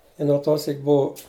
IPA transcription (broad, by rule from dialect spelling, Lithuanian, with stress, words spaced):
ɪ noː ˈtoː ˈsʲiːk ˈbʊʊ